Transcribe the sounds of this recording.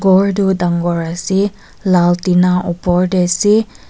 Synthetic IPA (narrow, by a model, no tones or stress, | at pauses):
ɡɔɹdudaŋɡɔɹasi | laltinaʔɔpɔɹdɛsi